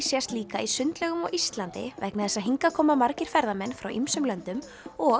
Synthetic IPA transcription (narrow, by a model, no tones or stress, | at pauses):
sjast̪liːkaisʏnt̪lɛɣʏmɔ̰ɣʔist̪lant̪ɪ̰vɛhknaðθɛsaðɦiŋkakʰɔːmamaɾcɪɾ̥fɛɾðamɛnːfɾawʔimsʏmlœnt̪ʏm | ɔ